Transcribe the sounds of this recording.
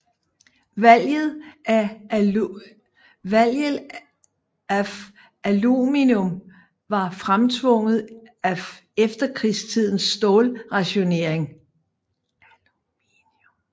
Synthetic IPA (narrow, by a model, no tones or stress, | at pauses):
ʋæl̰jð̞̩ˠæ | ʋæl̰ə | æ | æluminɔm | ʋɑ̈fʁamt͡sʰʋɔ̽ŋ̰ð̩ˠ | æefd̥ɐkʰʁist͡sʰið̰ˠn̩sːd̥ɔːlʁɑ̈ɕo̝ne̝ɐ̰eŋ